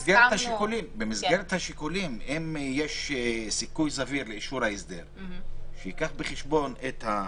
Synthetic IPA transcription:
zɡeɾet̪haʃikulimbemizɡeʁet̪haʃikulimemjeʃsikujzaviɾleiʃuɾhaisd̪eʁʃeikaχbeχeʃbo̞net̪ha

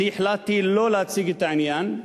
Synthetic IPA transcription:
iħlat̪ːiloːlat͡siɡit̪anijan

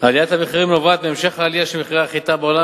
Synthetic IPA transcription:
alijat̪hameχiʁimnovat̪̚beːmʃeχaːlijaʃemeχiʁaːχit̪abeola

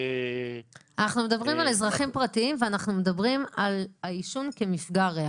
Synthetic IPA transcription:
anaχnume̞d̪abʁimale̞zʁaχimpʁatiimveanaχnumed̪abʁimalaiʃunkemifɡaʁe

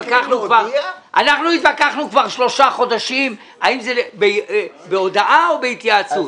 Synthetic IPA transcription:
kaχnukvaʁʔanaχnuit̪bakaχnukvaʁʃlo̞ʃaχo̞d̪aʃim | aimzebe | beo̞daʔaobeit̪ijat͡sut

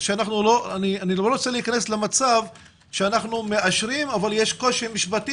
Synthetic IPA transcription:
ʃeanaχnulo̞anianilooʁot͡selikane̞slemat͡sav | ʃeanaχnume̞aʃɾimavaljeʃko̞ʃimiʃbat̪i

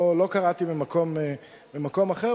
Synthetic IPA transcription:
lo̞kaʁat̪imimako̞me | bimako̞maχeʁ

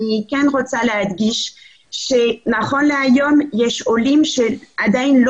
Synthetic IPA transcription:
nikanʁot͡salehad̪ɡiʃ | ʃenaχonleajomjɛʃolimʃead̪ajnl

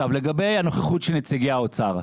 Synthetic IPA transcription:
avleɡabe̞jano̞χeχutʃelnet͡siɡiaot͡saʁ

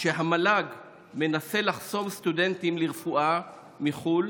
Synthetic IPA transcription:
ʃeɦamalaɡ | me̞nase̞laχso̞mst̪ude̞ntimliʁfuʔa | miχul

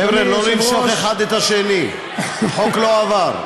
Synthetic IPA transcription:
evɾelolimʃoχeχad̪et̪aʃeni | ħokloavaɾ

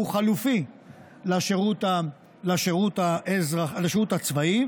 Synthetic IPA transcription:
uχalufi | laʃeʁut̪a | laʃeʁut̪aʔezʁalaʃeʁut̪at͡svai

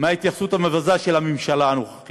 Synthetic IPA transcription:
maːit̪jaχsut̪hamevazaʃelamemʃalaːnoχḁχ

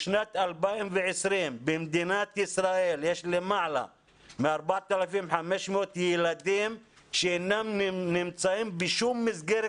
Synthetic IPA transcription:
ʃnat̪albaimveʕesɾimbemd̪inat̪isɾaʔeljeʃlemaʕla̰ | meaɾbaʕat̪alafimħameʃmeot̪jelad̪im | ʃeenːamnimt͡saʔimbiʃumːizɡeɾ

